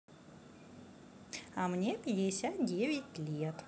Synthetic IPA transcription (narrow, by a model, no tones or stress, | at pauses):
ɐmnʲepʲɪdʲɪsʲat̪̚dʲevʲɪtʲlʲet̪